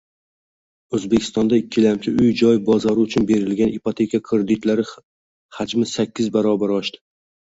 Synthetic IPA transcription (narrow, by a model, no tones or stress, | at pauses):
ɵzbekʲʰɪ̥st̪ɒnd̪aɪkʲʰːɪlamkʲʰɪʔʊjd͡ʒɒjbɒzɒɾɪʊt͡ʃʰʊnbe̞ɾɪlɡʲanipot̪ʰe̞kʰakʰɾed̪ɪt̪laɾɪ | had͡ʒmɪsakʲːɪzbaɾɒbaɾɒʃt̪ɪ̥